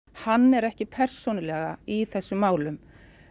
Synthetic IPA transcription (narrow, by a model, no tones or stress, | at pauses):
hanːɛɾɛhcɪpʰɛr̥sɔnɪlɛɣa̰iθɛsːʏmːaːwlʏm